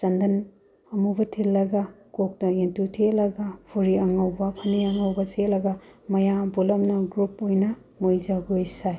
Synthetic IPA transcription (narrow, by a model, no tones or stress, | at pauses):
t͡ʃɐndɐn | ɐmubɐtʰilːɐɡɐ | kok̚tɐentutʰelɐɡɐpʰuɾiɐŋɐwbɐpʰɐniɐŋɐwbɐselɐɡɐmɐjabulɐmnɐɡɾupojnɐ | mojd͡ʒɐɡojsaj